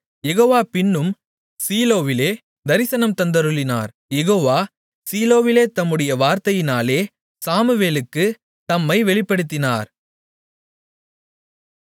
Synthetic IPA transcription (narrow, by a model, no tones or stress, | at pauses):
jɛɣoːʋaːpɪɳːɯm | siːloːʋɪleː | d̪ɐɾɪsɐnɐmt̪ɐnd̪ɐɾɯɭɪna̰ːɾ | jɛɣoːʋaː | siːloːʋɪleːt̪ɐmːɯɽɐjɐʋaːɾt̪ɐjɪnaːleː | saːmɯʋeːlɯkːɯ | t̪ɐmːɐɪʋɛɭɪpːɐɽɯt̪ːɪna̰ːɾ